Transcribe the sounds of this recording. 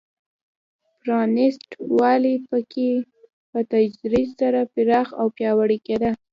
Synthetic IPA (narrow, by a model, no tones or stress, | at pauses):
pɾɑnɪsʈwɑlipəkʰe | pət̪ad͡ʒɾizsaɾapɪɾɑxawpjɑwaɽiked̪a